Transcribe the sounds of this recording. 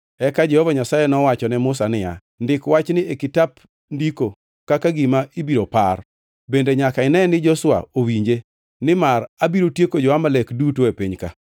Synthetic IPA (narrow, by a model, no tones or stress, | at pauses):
ɛkad͡ʒɛhɔvaɲasajenɔwat͡ʃɔnɛmʊsanɪja̰ | ndɪkwat͡ʃnɪekɪtap | ndiko | kakaɡimaibiɾopa̰r | bendeɲakaɪnɛnɪd͡ʒɔswa̰owiɲd͡ʒe | nɪmarabiɾotjekod͡ʒɔamalekdutoepiɲka̰